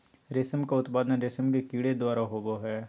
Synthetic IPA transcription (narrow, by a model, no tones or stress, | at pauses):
ɾesəmkaʊt̪paːd̪ənɾesəmkekiːɽed̪waːɾaɦoːɡoɦɛː